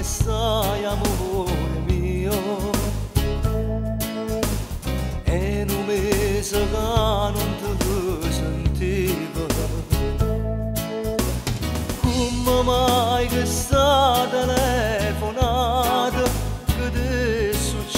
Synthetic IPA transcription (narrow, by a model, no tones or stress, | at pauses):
sajamoomio | ɛnumezəkanunt̪əɦəsənt̪ivə | kumːəmajkəst̪at̪ɛlɛfonat̪əkəd̪esut͡ʃ